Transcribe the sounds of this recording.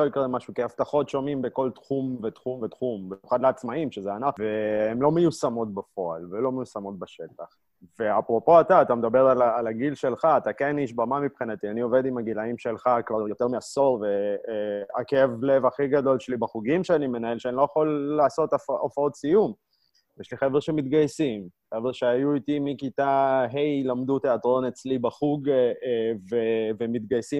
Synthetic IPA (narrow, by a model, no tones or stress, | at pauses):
oikʁemaʃukeaft̪aχo̞tʃo̞mimbeko̞ltχumve̞t̪χumve̞t̪χumbiemjuχad̪leat͡smaimʃezeanaχveemlo̞mejusamo̞t̪̚bafo̞a̰lvelo̞mejusamo̞t̚baʃe̞taχ | ve̞apʁo̞po̞at̪aːt̪amed̪abe̞ʁalaːlaɡilʃe̞lχaːt̪akeniʃbamamipχinat̪ianio̞ve̞d̪imaɡilaimʃe̞lχakvaʁjo̞t̪e̞ʁmeaso̞ve | akeevle̞vaχiɡado̞lʃelibaχuɡimʃeanime̞nae̞lʃeanilojaχolːaːso̞tafaofao̞tsijum | jeʃliχeveʁʃe̞mit̪ɡajsimχevʃeajuitimikitaɦe̞jlamdute̞atʁo̞ne̞t͡slibaχuɡ | vevemit̪̚ɡajsim